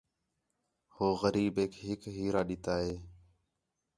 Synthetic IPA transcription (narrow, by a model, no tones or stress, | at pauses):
hoːɣəɾiːbeːkɦɪkɦiːɾaːɗɪt̪aːɦeː